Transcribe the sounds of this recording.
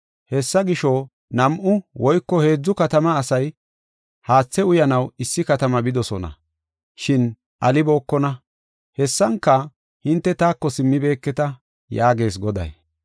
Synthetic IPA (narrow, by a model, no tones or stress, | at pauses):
hɛsːɐɡɪʃɔ | nɐmʔʊwɔjkːɔhe̞ːd͡zːʊkɐt̪ɐmɐːsɐj | haːt͡sːɛʊjɐnɐwɪsːɪkɐt̪ɐmɐbɪd̪ɔsɔnɐ̰ | ʃɪn | ʔɐlɪbo̞ːkːɔnɐ | hɛsːɐŋkːɐ | hɪnt̪ːɛt̪aːkːɔsɪmːɪbe̞ːkːɛt̪ɐ | jaːɡe̞ːs̬ɡɔd̪ɐ̰j